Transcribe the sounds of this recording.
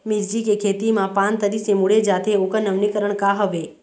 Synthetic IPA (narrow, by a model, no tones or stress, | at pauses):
mid͡ʒd͡ʒikekʰet̪imãpãnt̪əɾisemuɭed͡ʒat̪ʰeokənəʋnikəɾəɳkaɦəʋe